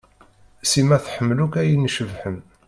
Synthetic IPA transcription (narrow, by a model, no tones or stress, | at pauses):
simæθħəmːlukæjənːʃəvħən